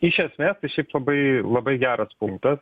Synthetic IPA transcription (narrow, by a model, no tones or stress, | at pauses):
ɪʃʲɛsʲmʲeːst̪ɐɪʃʲɛɪplˠɐbɐɪlˠɐbɐɪɡʲæːɾɐspʊŋk̚t̪ɐs